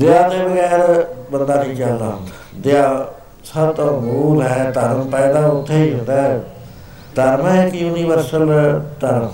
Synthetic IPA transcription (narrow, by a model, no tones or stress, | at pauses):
d̪eaːt̪eːbəɡɛːɾbənd̪aːʈʰiːkt͡ʃəld̪aːɦʊ̃nd̪aːd̪eaː | səb̚t̪oːmuːlɦɛt̪əɾəmpɛːd̪aːʊt̪ʰːeːiɦɪnd̪aːɦɛ | t̪əɾmekjuːniːʋəɾsəlt̪əɾm